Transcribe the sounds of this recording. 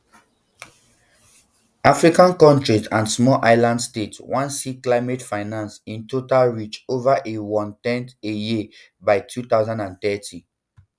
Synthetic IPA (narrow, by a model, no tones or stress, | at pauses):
ʔafɹikãnkɔ̃ntɹizãnsmɔʔaɪlãndstetwãnsiklaɪmetfaɪnãnsĩntotalɹit͡ʃovaʔewɔ̃ntɛ̃nteji | baɪtʰut̪aʊzãndãnt̪ɛtʰĩ